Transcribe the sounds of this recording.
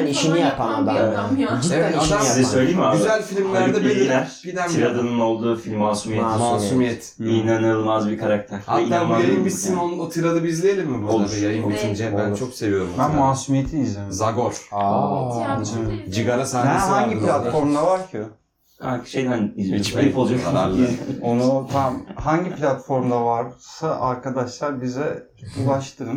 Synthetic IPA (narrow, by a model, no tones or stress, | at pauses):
iʃinijapʰaajaevɛaasizɛsøjlʲejimayzælʲfilʲimlʲæɾd̪ɛbeiæɾ̥bid̪æniɾad̪ɯnɯno̞lˠd̪uːfilʲmːasumijɛtmaasumijɛt̪ʰijnanɯɯlˠmazbikʰaɾak̚t̪ʰæɾha̰iːaːujajimbisimonot̪ʰiɾad̪ɯbizlʲejelʲimːibuodlˠavɛjajɯmbit͡ʃʰind͡ʒɛbænt͡ʃʰokse̞vijo̞ɾumbanmaːsumijet̪ʰinizimzaɡo̞ɾ̥a | d͡ʒiɡaɾasanɛhaɲɟiplʲat̪ffo̞ɾmd̪avaɾcʰɯ | aʃejd̪æniit͡ʃilpolˠud͡ʒoa | onut̪ʰamhaɲɟiplʲat̪fo̞ɾmd̪avaɾsaʔaɾkad̪aʃlˠaɾbizɛ | ulˠaʃt̪ʰɯn